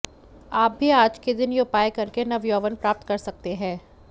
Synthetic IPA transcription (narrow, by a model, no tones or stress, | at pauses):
aːp̚bʱiaːd͡ʒked̪ɪnjoːpaːekɐɾkenɐʋjoːʋənpɾaːp̚t̪kɐɾsɐk̚t̪eɦɛ̃ː